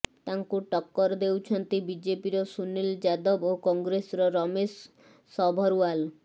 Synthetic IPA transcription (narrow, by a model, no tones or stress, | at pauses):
t̪aŋkuʈɔkːɔɾd̪ewt͡ʃʰɔnt̪ibid͡ʒepiɾɔsuneld͡ʒad̪ɔbokɔŋɡɾesɾɔɾɔmesː | ɔbʱɔɾual